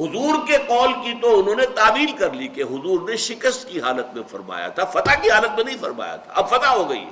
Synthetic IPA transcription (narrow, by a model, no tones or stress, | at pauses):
ɦʊzuːɾkeqɔːlkit̪oʊnɦõːnet̪aːbiːlkɐɾlikeɦʊzuːɾneʃɪkəst̪kiɦaːlət̪̚mẽfɐɾma̰ːja̰t̪ʰafɐt̪akiɦaːlət̪̚mẽnɐɦĩfɐɾma̰ːja̰t̪ʰa̰ʔɐbfɐt̪aɦoɡɐḭɦɛ̰